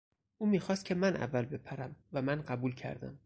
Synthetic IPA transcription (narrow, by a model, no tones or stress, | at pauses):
ʔuːmiːxɒːst̪cʰe̞mænʔæ̰vːælbe̞pʰæɾæmvæmænɢæbuːlcʰæ̰ɾd̪æ̰m